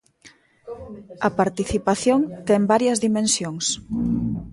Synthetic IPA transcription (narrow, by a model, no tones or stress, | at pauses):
ɐpaɾt̪iθipaθjoŋt̪ɛmbaɾjɐzðimẽnsjoŋs